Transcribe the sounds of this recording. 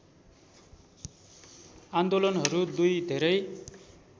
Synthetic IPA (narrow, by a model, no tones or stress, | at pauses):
and̪olʌnɦʌɾud̪ujd̪ʱeɾʌj